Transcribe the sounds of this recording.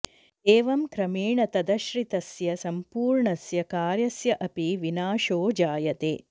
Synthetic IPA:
eːʋɐmkɾɐmeːɳɐt̪ɐd̪ɐʃɾit̪ɐsjɐsɐmpuːɾɳɐsjɐkaːɾjɐsjɐʔɐpiʋinaːʃoːd͡ʒaːjɐt̪eː

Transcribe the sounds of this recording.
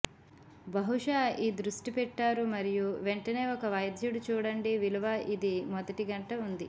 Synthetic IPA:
bɐɦuʂaːiːd̪ɾuʂʈipɛʈːaːɾumɐɾijuʋeɳʈɐne̞ːɔkɐʋɐjd̪ʱjɐɽut͡ʃuːɽɐɳɖiʋilɐʋaʔid̪imɔd̪ɐʈiɡɐɳʈɐund̪i

